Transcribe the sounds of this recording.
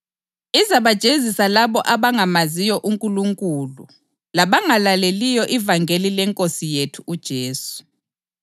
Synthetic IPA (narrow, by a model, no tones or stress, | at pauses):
izaβad̥ʒ̥ʱezisalaβɔʔaβaŋamazijɔʔuŋkʼuluŋkʼuːlu | laβaŋalalelijɔʔivaŋɡʱelilɛŋkʼosijetʰuud̥ʒ̥ʱeːsu̥